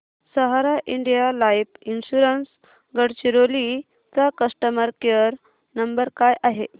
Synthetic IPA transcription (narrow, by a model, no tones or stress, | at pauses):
səɦaɾaʔiɳɖijalaipinɕuɾəns | ɡəɽt͡ɕiɾoli | t̪akəsʈəməɾkeəɾ | nəmbəɾkajʔaɦe